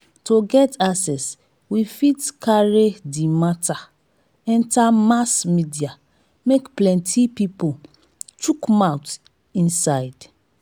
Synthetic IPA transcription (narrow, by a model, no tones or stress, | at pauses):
tʰoɡɛtasɛs | wifitkʰaɹedimatʰa | ɛ̃ntamasmidia | mekplɛ̃ntʰipipol | t͡ʃukmaʊt | ĩnsaɪd̥